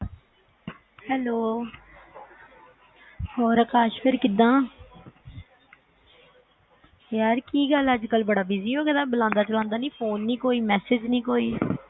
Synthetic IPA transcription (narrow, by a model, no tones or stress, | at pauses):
hɛːloː | ɔːɾəkaːʃpɪɾkɪd̪ãː | jaːɾkiːɡələd͡ʒkəlbəɽaːbɪziːoːɡɛd̪ãːbəlãːnd̪aːt͡ʃəlãːnd̪aːnĩːpʰoːnːiːkoːiːmɛːsɪd͡ʒnĩːkoːiː